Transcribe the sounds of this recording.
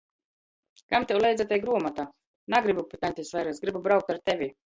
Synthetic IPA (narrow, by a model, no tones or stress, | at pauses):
kamt̪ʲɛwlˠɛjd̪zat̪ʲajɡɾuɔmat̪aː | naɡɾibupʲit̪anʲt̪ʲɛsvajɾasɡɾibubɾawk̚t̪aɾt̪ɛvʲi